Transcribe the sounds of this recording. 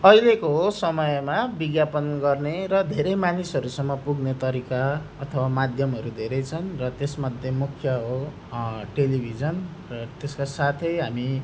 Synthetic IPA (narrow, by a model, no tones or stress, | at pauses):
ʌjlekoɦosʌmʌjmabiɡjapʌnɡʌrneɾʌd̪ʱeɾʌjmanisɦʌɾusʌmːʌpuɡnet̪ʌɾikaʌt̪ʰʌwamad̪ʱjʌmɦʌɾud̪ʱeɾʌjt͡sʰʌnrʌt̪esmʌd̪ʱjemukʰjʌɦo | ʈelibʱid͡zʌn | rʌt̪eskasat̪ʰʌjɦami